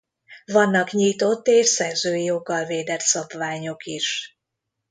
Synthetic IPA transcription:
vɒnːɒkɲiːt̪o̞t̪ːeːʃsɛrzøːjijoɡːɒlveːd̪ɛt̪sɒbvaːɲo̞kiʃ

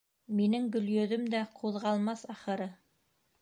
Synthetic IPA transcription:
minɘŋɡɵ̆ljɵ̆ðɵmd̪æqʰuðʁɑlˠmɑsɑχɤ̆ɾɤ

